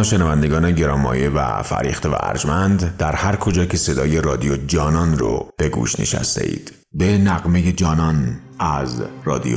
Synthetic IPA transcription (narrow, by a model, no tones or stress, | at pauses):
ʃenævænd̪eɡɒːneɟe̞ɾɒːmːɒ̰ːjevæ̰fæ̰ɾḭːxt̪e̞væ̰æ̰ɾd͡ʒmænd̪d̪æɾhæɾkʰo̞d͡ʒɒːcʰe̞se̞d̪ɒːje̞rɒːd̪ijod͡ʒɒːnɒnro̰b̥e̞ɡṵːʃnḛʃæ̰st̪ʰe̞ʔḭːd̪̥ | be̞næɣme̞je̞d͡ʒɒːnɒn | æzrɒ̰ːd̪ḭo